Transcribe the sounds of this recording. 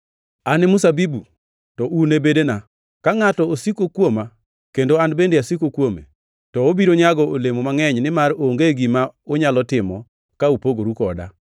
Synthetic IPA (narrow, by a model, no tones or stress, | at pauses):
anɪmʊsabibu | tɔʔunebedena | kaŋatɔosikokwoma | kendoanbendeasikokwomḛ | tɔobiɾoɲaɡɔʔolemomaŋɛɲnɪmaɾoŋɡeɡimaoɲalɔtɪmɔ | kaupoɡoɾukɔda̰